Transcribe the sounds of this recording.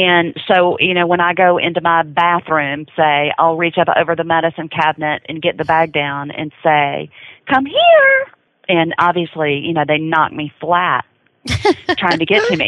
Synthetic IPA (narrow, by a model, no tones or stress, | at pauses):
ɨ̃nsoʊjɨnoʊwə̃ñaɪɡoʊʔɪ̰̃ntʉmaɪbæθɹʉ̃mseɪa̰ɪlˠɹit͡ʃʌpo̰ʊvə˞ðəmɛɾɨsɨ̃nkʰæbnɨɾɨ̰̃nɡɛt̪̚ðɨbæk̚d̥ãʊ̃nɨ̰̃nseɪkʰʌ̃mɦiɹ | ʔɨ̃nɑbviɨslijɨnoʊðeɪnɑ̰k̚miflæt̚ʰ | ɹ̥aɪɪ̃ŋtʰɨɡɛtʰɨmḭ